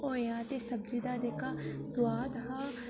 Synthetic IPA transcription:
õjãːt̪esɐb̚d͡ʒid̪ad̪ekasʊwaːd̪ɦa

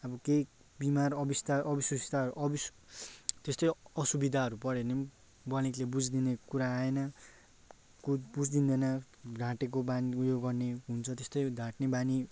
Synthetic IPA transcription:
ʌbʌkei | bimarʌbist̪aʔʌbiswʌsi̥t̪aɾuʔʌbis | t̪est̪ʌjʌsubid̪ʱaɦʌɾupʌɾene | bʌlĩklebud͡zd̪inekuɾaːenʌ | kubud͡zd̪ind̪ʌnʌ | ɡʱãʈek̬obaniujoɡɡʌrneɦunt͡sʰʌt̪est̪ʌjd̪ʱãʈnebani

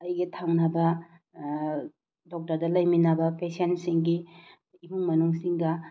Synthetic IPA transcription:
ɐjɡetʰaŋnɐbɐ | dɔk̚tɐɾdɐlɐjminɐbɐpesensiŋɡi | iɦuŋmɐnuŋsiŋɡɐ

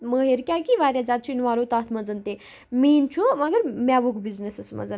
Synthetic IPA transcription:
məɦeɾkʲjakiʋaːɾjad͡zaːt̪̚t͡ʃʰuinʋaːlot̪aːt̪ʰmɐd͡zɐnt̪e | miːnt͡ʃʰumɐɡəɾmʲaʋuɡbiznesɐsmɐ̰d͡zɐn

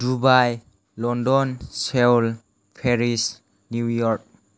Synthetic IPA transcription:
dubaj | lɔndɔnsewl | pʰeɾis | nujɔɾk̚

